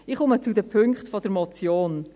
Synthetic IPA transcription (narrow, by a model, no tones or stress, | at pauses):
ɪχʊmət͡sudəpʰøŋkχtfɔd̥əɾmɔt͡sjoːn